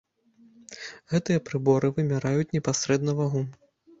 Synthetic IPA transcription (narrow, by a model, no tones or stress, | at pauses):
ɣɛt̪ɨjɐpɾɨbɔɾɨvɨmʲɛɾajut͡sʲnʲɛpasɾɛd̪nɐvaɣum